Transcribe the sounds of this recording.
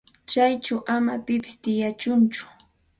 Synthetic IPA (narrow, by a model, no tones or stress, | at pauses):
t͡ʃajt͡ʃawʔamapɪpɪ̥st̪ɪjat͡ʃʊnt͡ʃʊ̥